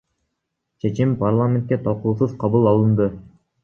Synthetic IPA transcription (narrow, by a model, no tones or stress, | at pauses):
t͡ʃʰe̞t͡ʃimparlˠamʲent̪̚kʲet̪ʰɑlˠquːsɯzqʰɑβulˠɑlˠɯnd̪ɯ